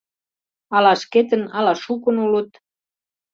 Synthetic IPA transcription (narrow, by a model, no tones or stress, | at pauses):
ɑlɑʃket̪ə̆nɑlɑʃukə̆nulut̪